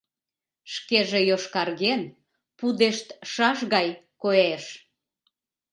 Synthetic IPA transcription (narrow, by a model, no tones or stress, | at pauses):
ʃkeʒejoʃkɑrɣen | pud̪eʃt̪ʃɑʃɣɑj | koeʃ